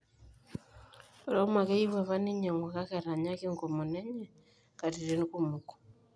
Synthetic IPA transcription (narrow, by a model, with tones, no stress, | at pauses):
ɾa˦ma˨kɛ˦i˦βwɛ˨βa˦ni˦ɲɛ˨ŋɡwɔ˨ka˦kɛ˨ɾa˨ɲa˦ki˦ŋkɔ˨mɔ˨nɛ˦ɲɛ˨ | ka˨ti˨ɾe˨˦n˦ku˦mu˨kɔ̥˨